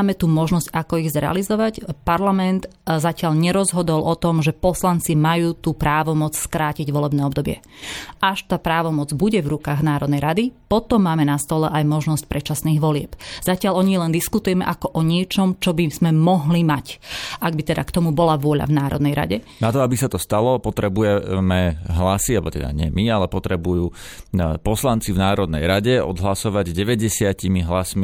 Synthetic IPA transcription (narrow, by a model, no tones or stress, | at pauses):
aːmɛt̪uːmɔʒnɔscakɔiɣzɾɛ̰a̰lizɔʋacpaɾlamɛnt̪zacɪaʎɲɛɾɔzɦɔd̪ɔlˠʔɔt̪ɔmʒɛpɔslant͡simajuːt̪uːpɾaːʋɔmɔt͡sskɾaːciɟʋɔlɛbnɛːɔbd̪ɔbɪɛ̰ʔaʃt̪aːpɾaːʋɔmɔd͡zbuɟɛvɾukaːɣnaːɾɔd̪nɛjɾad̪ipɔt̪ɔmːaːmɛnast̪ɔlɛ̰ʔajmɔʒnɔsc̚pɾɛt͡ʃasniːɣʋɔlɪɛpz̥acɪalɔɲilɛnd̪iskut̪ujɛmɛ̰ʔakɔʔɔɲɪɛt͡ʃɔmt͡ʃɔbiz̥mɛmɔɦlimacʔaɡ̚bit̪ɛd̪akt̪ɔmubɔlaʋʊɔʎa̰vnaːɾɔ̰d̪nɛjɾa̰ɟɛnat̪ɔabisat̪ɔst̪alɔpɔt̪ɾɛbujɛmɛɦlasialbɔt̪ɛ̰d̪a̰ɲɪɛ̰mialɛpɔt̪ɾɛbujuːpɔslant͡sivnaːɾɔd̪̚nɛ̰jɾaɟɛɔ̰d̪ɦlasɔʋaɟzɟɛʋɛɟɛsɪacimiɦlasmi